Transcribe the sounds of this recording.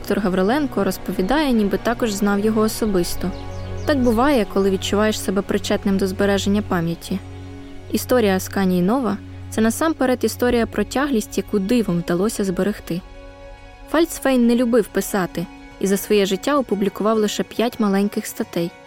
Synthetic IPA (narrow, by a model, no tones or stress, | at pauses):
d̪ɔkt̪ɔrɦɐʋɾelˠɛnkɔɾɔspɔʋʲid̪ɑjɛnʲibɪt̪ɑkɔʒznɑwjɔɦɔːsɔbɪst̪ɔt̪ɑɡ̚bʊʋɑjɛkɔlˠɪʋʲid̪̚t͡ʃʊʋɑjeʃsɛbɛpɾɪt͡ʃɛt̪nɪmd̪ɔzbeɾɛʒe̞nʲːɐpɑmʲjɐtʲi | ist̪ɔɾʲijɐskɑnʲijnɔʋɐt̪sɛnɐsɑmpeɾɛt̪ist̪ɔɾʲijɐpɾɔtʲɑɦlʲisʲtʲjɐkud̪ɪʋɔmwd̪ɐlˠɔsʲɐzbeɾɪxt̪ɪ | fɑlʲt̪sfɛjnːɛlʲʊbɪwpɪsɑt̪ɪ | izɐsʋɔjɛʒɪtʲːaɔpʊblʲikʊʋɑwlˠɪʃɛpʲjatʲmɐlˠɛnʲkɪxst̪ɐt̪ɛj